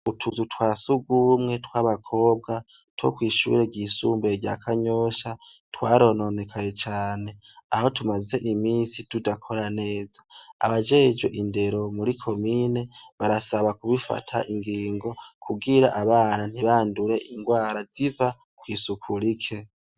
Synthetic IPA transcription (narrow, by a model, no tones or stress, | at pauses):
utʰuzutwaːsuɡuːmŋe̞twaːβakʰo̞ːb̚ɡa | two̞̰kwiːʃṵɾe̞ɟiːsṵːmbeɾɟa̰kʰaɲo̞ʃa | twaːɾo̞no̞ne̞kʰaje̞t͡ʃaːne̞ | aho̞tumaze̞ʔimiːnsitudakʰo̞ɾane̞ːza̰ːβad͡ʒe̞ːd͡ʒo̰ʔinde̞ɾo̞muɾikʰo̞mine̞βaɾasaβakuβifa̰tʰa̰ʔiŋɡiːŋɡo̞kʰuɡiɾa̰ʔaβaːnan̥hiβaːnduɾe̞ʔiŋɡwaːɾaziva | kwiːsukʰuɾikʰe̞